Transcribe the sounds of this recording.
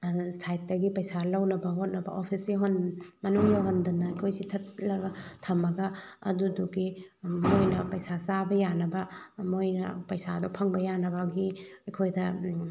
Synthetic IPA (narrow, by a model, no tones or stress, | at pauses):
sajt̚dɐɡipɐjsalɐwnɐbɐɦot̚nɐbɐ̰ʔopʰisiɦonmɐnuŋjaɦondɐnːɐɐjkʰojsitʰɐt̚lɐɡɐtʰɐmɐɡɐɐ̰duduɡimojnɐpɐjsasabɐjanɐbɐmojnɐ̰pɐjsadɔpʰɐŋbɐjanɐbaɡiɐjkʰojdɐ